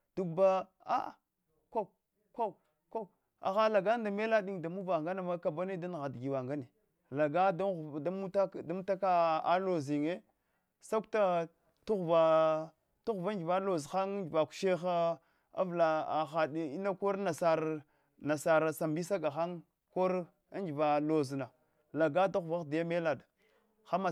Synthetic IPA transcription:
d̥u˦kba˦ | a˦˨ | ko˦ | ko˦˨ | ko˦ | a̰˨xa˦la˨ɡa˦n˦da˨me˦la˦ɗi˦ŋda˨mu˦va˨ŋɡa˦na˨ma˦ka˨ba˦ne˦da˦n˨ɣa˨dɡi˨wa˨ŋɡa˦ne˨ | la˨ɡa˦da˦˨a˦mu˦ta˦da˦mu˦ta˦ka˦a˦lo˨zi˨ŋe˦ | sa˦kta˦ | tu˦ɣva˨ | tu˦ɣva˦d͡ʒi˨va˦lo˨zxa˦ŋ˦d͡ʒi˨va˨ku̥˨ʃe˦xa˦ | a̰˦vla˨a˨xa˨di˨i˦na˦ko˦ɾna˨sa˨ɾ | na˨sa˨ɾa˨sa˨mbi˦sa˦ɡa˨xa˦ŋ | ko˦ɾ | a˦nd͡ʒi˨va˨lo˨zna˨ | la˨ɡa˦da˦ɣva˦xda˨ja˦me˦la˨d | xa˦ma˨

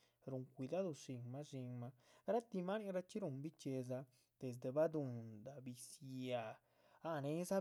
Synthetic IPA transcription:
ɾu˨ŋkʷi˨˧d̪a˦d̪o˧ʂi˧ŋma˦ʃi˧ŋma˧ɾa˦t̪i˧ma˦ni˦ŋɾa˧t͡ʃi˦ɾu˨ŋbi˦t͡ʃe˧za˧ | d̪̥e˨zd̪e˨ba˦d̪u˨nd̪a˨bi˨sa˨ | a˦ne˦za˦

